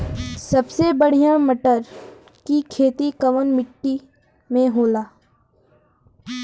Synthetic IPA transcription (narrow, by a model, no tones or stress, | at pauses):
sɐbsebəɽ̤ijaməʈəɾ | kikʰeːt̪ikəʋənmɪʈːi | mẽɦoːlaː